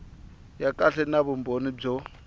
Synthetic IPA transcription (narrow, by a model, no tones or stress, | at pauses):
jakʼaɬɛnaβumbonib͡ʐɔ